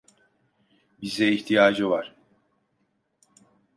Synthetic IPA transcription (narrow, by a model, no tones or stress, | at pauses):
bizd̪ɛiçt̪ʰijaːd͡ʒɯvaɾ̥